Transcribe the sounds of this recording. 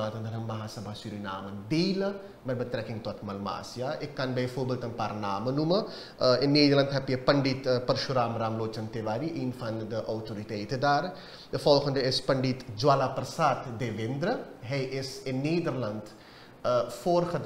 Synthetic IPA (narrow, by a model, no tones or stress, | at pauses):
aːt̪ɐnd̪ʱɐnɐmːɐɦaːsɐbʱasuɾinaːmɐd̪iːlɐ | mɐbɐt̪ɾɛkĩŋɡt̪ɐt̪ʰmɐlma̰ːsjaːʔekːaːnbɐjfoːbɐlt̪ɐnpaɾnaːmɐnumɐ | enːiːd̪ɐɾlɐnd̪ɦɐpiɐpɐɳɖiːt̪pɐɾʃuɾaːmɾaːmloːt͡ʃɐnt̪eʋaːɾiʔiːnfand̪d̪əʔɐwtʰoːɾit̪eːit̪ɐd̪aːɾ | d̪ɐfoːlkʰɐnd̪ɾɐespɐɳɖit̪d͡ʒwaːlaːpɐɾsaːt̪d̪eːʋeːnd̪ɾɐɦejʔeseniːd̪ɐɾlɐnd̪ | foːɾxʰɐd̪